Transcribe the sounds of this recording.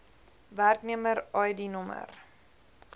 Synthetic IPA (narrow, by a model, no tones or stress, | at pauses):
værkniəməɾɐjdinɔmə̰r